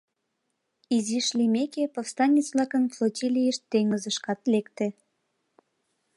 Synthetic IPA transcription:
iziʃlimekepofst̪ɑnʲːit͡sβlɑkənflˠotʲilijəʃt̪ːeŋəzəʃkɑt̪lekt̪e

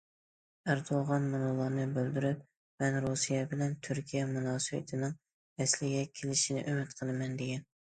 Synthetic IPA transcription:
æɾd̪oʁɑnmunolˠɑɾnɨbøld̪yɾyp̚ | mɛnɾusijɛbɪlɛnt̪ʰyɾkʲʰijɛmunɑːsɨwɪ̰t̪ʰɪnɨŋ | ɛslɪɡʲɛkʲʰelɪʃinɪ̰ʔymɪt̪qʰəlˠɨmɛnd̪eɡʲɛn

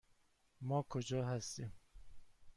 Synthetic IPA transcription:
mɒːkʰod͡ʒɒːɦæst̪iːm

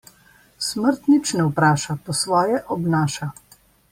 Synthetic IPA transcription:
sməɾt̪nit͡ʃnɛupɾaːʃapɔsʋɔːjɛʔɔbnaːʃa

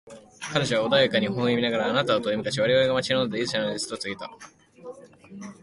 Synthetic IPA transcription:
kanoʑaβaod̪ajakaɲ̟ihõɰ̃ĩmʲinaɡaɾaːnat̪aot̪oimɯ̟kaɕiβaɾiβaɾeɡamat͡ɕinonod̪e̞izɨɕanoit͡sɨ̥t̪ot͡sɨɡʲit̪a

